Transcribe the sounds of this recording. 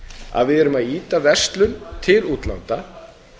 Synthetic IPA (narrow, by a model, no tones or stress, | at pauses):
a̰ðvɪðɛɾʏmaðiːt̪avɛst̪lʏnt̪ʰɪluːt̪la̰nt̪a